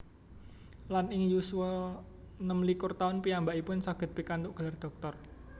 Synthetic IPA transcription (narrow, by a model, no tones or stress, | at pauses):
lanɪŋjuswɔ | nəmlikʊrt̪aʊnpiambaʔipʊnsaɡ̥ə̤t̪̚pikand̪ʊʔɡ̥a̤lard̪̥ɔ̤k̚t̪ɔr